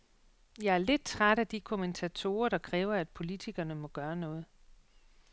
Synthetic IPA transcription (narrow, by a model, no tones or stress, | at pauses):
jɑ̈ɪæɐle̝d̥̚t͡sʰʁaɾ̥æd̥ikʰo̝ment͡sʰæt͡sʰo̝̰ːɐɾ̥ɑ̈kʰʁɛːʊɐæd̥̚pʰo̝lit͡sʰiɡ̥ɐnəmɒ̽ɡ̥ɶːɐnɔ̽ːð̞̩ˠ